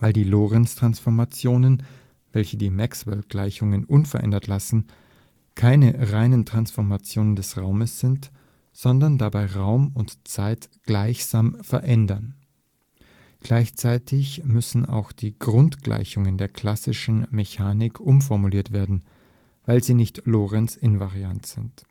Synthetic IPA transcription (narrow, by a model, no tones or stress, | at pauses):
vaɪldiːloːʁɛnstʁ̥ansfɔɐmat͡sjoːnən | vɛlçədiːmɛkswɛlɡ̥laɪçʊŋənʔʊnfɛɐʔɛ̰ndɐtlasn̩ | kʰaɪnəʁaɪnəntʁ̥ansfɔɐmat͡sjoːnəndɛsʁaʊməsz̥ɪnt | z̥ɔndɐndabaɪʁaʊmʊntt͡saɪtɡ̥laɪçz̥aːmfɛɐʔɛndɐn | ɡ̥laɪçt͡saɪtʰɪçmʏsn̩a̰ʊxd̥iːɡʁʊntɡ̥lʔa̰ɪçʊŋəndeːɐkʰl̥asɪʃn̩meçaːnɪkʰʔʊmfɔɐmuliːɐtv̥eːɐdn̩ | vaɪlziːnɪçtlɔːʁɛnsɪnvaʁiantz̥ɪnt